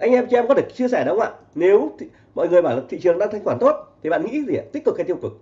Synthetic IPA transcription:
ʔa˧jŋ̟ʔɛ˧mt͡ɕɛ˧mkɔ˨˦t̪ɨ˨˩ə˩k̚t͡ɕi˧əsɛ˧˩ɗə˨˦wʔa̰ː˧˨ | ne˨˦wt̪ | mɔ̰˧˨jŋɨ˨˩əjɓaː˧˩la˨˩t̪ḭ˧˨t͡ɕɨ˨˩əŋɗaː˧ŋa˧jŋkwaː˧˩nt̪o˦˥t̚t̪ʰi˨˩ɓa̰ː˧˨ŋḭ˧˥zi˨˩a˨˩t̪i̟˦˥t̪k̚ːt̪i˧ŋ͡mkwʊ˨˩k̚

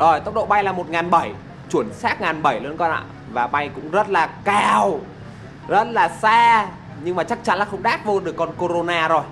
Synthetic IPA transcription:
zo˨˩jt̪ə˦˥k͡p̚ɗo̰˧˨ɓa˧jlaː˨˩mo˨˩t̚ŋaː˨˩nɓə˧˩j | t͡ɕwu˧˩ənsaː˦˥t̚ŋaː˨˩nɓə˧˩jlə˨˦ənkɔ˧nʔa̰ː˧˨ | vaː˨˩ɓa˧jkʊ̰˧˥ŋ͡mzə˦˥t̚laː˨˩kaː˧˩w | zə˦˥t̚laː˨˩saː˧ | ɲɨ˧ŋmaː˨˩t͡ɕa˦˥k̚t͡ɕa˧˦nlaː˨˩xə˧wŋ͡mɗaː˦˥t̚vo˧ɗɨ˨˩əkːɔ˧nko˧ɾo˧naː˧zo˨˩j

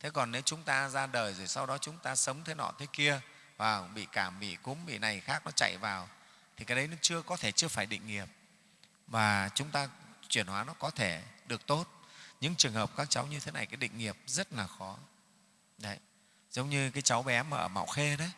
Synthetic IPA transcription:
t̪ʰe˨˦kɔ˨˩nːe˨˦wt͡ɕʊ˨˦ŋ͡mt̪aː˧zaː˧ɗəː˨˩jzo˨˩jsa˧wɗɔ˨˦t͡ɕʊ˨˦ŋ͡mt̪aː˧sə˨˦wŋ͡mt̪ʰəe˨˦nɔ̰˧˨t̪ʰe˨˦ki˧ə | vaː˨˩ɓḭ˧˨kaː˧˩mɓḭ˧˨kʊ̰˨˥mɓḭ˧˨na˨˩jxaː˦˥k̚nɔ˨˦t͡ɕa̰˧˨jvaː˨˩w | t̪ʰi˨˩kaː˨˩jɗə˨˦jnɔ˨˦t͡ɕɨ˧əkɔ˨˦t̪ʰe˧˩t͡ɕɨ˧əfaː˧˩jɗḭ˧˨ŋ̟ŋi˨˩əp̚ | vaː˨˩t͡ɕʊ˨˦ŋ͡mt̪aː˧t͡ɕwi˧˩ənhwaː˨˦nɔ˨˦kɔ˨˦t̪ʰe˧˩ɗɨ˨˩ək̚t̪o˦˥t̚ɲɨ̰˧˥ŋt͡ɕɨ˨˩əŋɦəː˨˩p̚kaː˦˥k̚t͡ɕa˨˦wɲɨ˧t̪ʰe˨˦na̰˨˩jkaː˨˦jɗḭ˧˨ŋ̟ŋi˨˩əp̚zə˦˥t̚laː˨˩xɔ˨˦ | ɗə˨˧˦j | zə˨˦wŋ͡mɲɨ˧kaː˨˦jt͡ɕa˨˦wɓɛ˨˦ma̰ː˨˧˨ʔəː˧˩ma̰˧˨wxe˧ɗə˨˦j

